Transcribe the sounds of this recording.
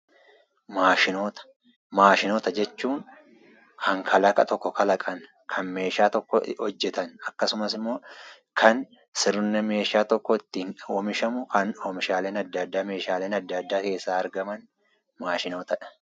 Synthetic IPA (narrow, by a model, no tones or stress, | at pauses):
maːʃɪnoːt̪ɐ̥ | maːʃɪnoːt̪ɐd͡ʒɛt͡ʃːuːŋ | kʰɐŋkʰɐlɐkʼɐt̪ɔkːɔkʰɐlɐkʼɐn | kʰɐnme̞ːʃaːt̪ɔkːɔhɔd͡ʒːɛt̪ɐnɐkːɐsʊmɐsɪmːo̞ː | kʰɐn | sɪɾʊnːɛme̞ːʃaːt̪ɔkːɔɪt̪ːiːnːmɪʃɐmʊkɐnoːmɪʃaːle̞ːnɐd̪ːɐd̪ːaːme̞ːʃaːle̞ːnɐd̪ːɐd̪ːaːke̞ːsːaːɐɾɡɐmɐn | maːʃɪno̞ːt̪ɐᶑɐ̥